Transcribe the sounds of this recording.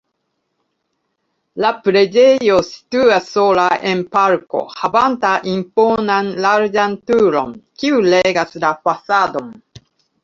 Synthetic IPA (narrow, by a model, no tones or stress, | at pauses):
lapɾe̞d͡ʒejo̞si̥tuasːolaʔenpaɾko̞̰havantaʔimpo̞nanlaɾd͡ʒantuɾo̞̰nkiuleɡaslafasado̞n